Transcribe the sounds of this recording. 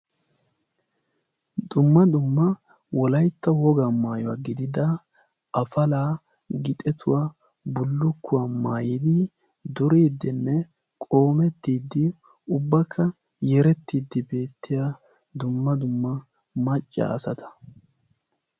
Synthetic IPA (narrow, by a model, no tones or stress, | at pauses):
d̪ʊmːɐd̪ʊmːɐ | wɔlɐjt̪ːɐwɔɡamaːjɔwaːɡɪd̪ɪd̪ɐ | ʔɐfɐlaː | ɡɪt̪ʼɛt̪ʰʊwaː | bʊlːʊkːʊwaːmaːjid̪ɪ | d̪ʊɾeːd̪ːɪnːɛ | kʼo̞ːmɛt̪ːiːd̪ːɪ | ʊbːɐkʰːɐ | jɛɾɛt̪ːiːd̪ːɪbe̞ːt̪ːɪjaː | d̪ʊmːɐd̪ʊmːɐ | mɐt͡ʃʼːa̰ɐsɐt̪ʰɐ̥